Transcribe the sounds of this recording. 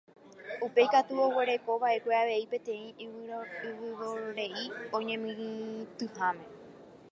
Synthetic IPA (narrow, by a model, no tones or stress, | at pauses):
upe̞jkat̪uo̞we̞ɾe̞ko̞βaʔe̞kʷe̞aʋe̞ipẽ̞t̪ẽ̞ĩ | ɨʋɨɾoɾe̞iõ̞ɲẽ̞mĩt̪ɨhãmẽ̞